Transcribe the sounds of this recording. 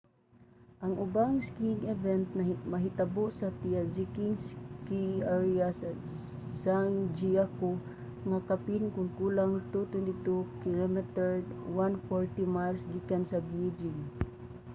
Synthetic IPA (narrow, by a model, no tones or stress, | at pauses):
ʔaŋʔʊbaŋskiŋɛvɛnt̪mɐɦɪt̪abʊʔsat̪iazikiŋskiaɹias | saŋd͡ʒiako | ŋakapinkʊŋkulaŋt̪ut̪wɛnt̪ɪt̪ukɪlɔmɛt̪ɛɹd̪wanfɔɹt̪imalsɡikansabid͡ʒɪŋ